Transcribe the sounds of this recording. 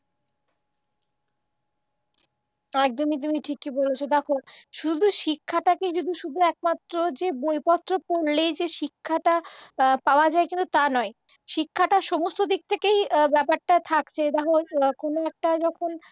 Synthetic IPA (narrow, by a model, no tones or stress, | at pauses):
ɛk̚d̪omit̪̬umiʈʰikːibolet͡ɕʰod̪ɛkʰoʃud̪ʱuʃikʰːaʈaked͡ʑud̪ʱuʃud̪ʱuɛk̚mat̪ːɾod͡ʑebojpɔt̪ːɾopoɾlejd͡ʑeʃikʰːaʈapaoad͡ʑaekint̪ut̪anɔe | ʃikʰːaʈaʃɔmost̪od̪ik̚t̪ʰekejbɛpaɾʈat̪ʰakt͡ɕʰed̪ɛɦokonoɛk̚ʈad͡ʑɔkʰon